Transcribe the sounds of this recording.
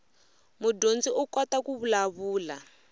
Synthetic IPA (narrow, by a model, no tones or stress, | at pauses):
mudond͡ziʔukɔtakuβulaβuːla